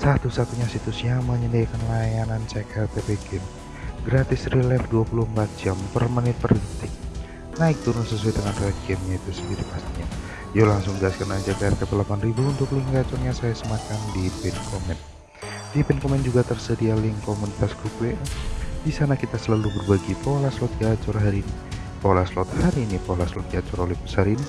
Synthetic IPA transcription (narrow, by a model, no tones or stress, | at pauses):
sat̪usat̪uɲasit̪usjaŋməɲəndakanlajanant͡ʃɛkat̪epeɡɛm | ɡɾat̪ɪsrilɛfduapuluhəmpat̪̚d͡ʒampərmanɪt̪̚pərint̪ɪk̚ | naɪk̚t̪uɾʊnsəsuajdəŋanrɛdɡɛmɲait̪usəndiɾipast̪iɲa | jalaŋsʊŋɡaskənad͡ʒakaarkapalapanribuːnt̪ʊkluŋɡat͡ʃʊrɲasajasəmakandipɛnkʰɔmɛn | d̥ipɛnkɔmɛnd͡ʒuɡat̪ərsədialɪŋkomunit̪askupedisanakit̪asəlalubərbaɡipolaslɔt̪̚d͡ʒat͡ʃʊrɦaɾiːni | polaslɔt̪̚haɾiːnipalaslɔt̪̚d͡ʒat͡ʃʊɾolipə̥saɾini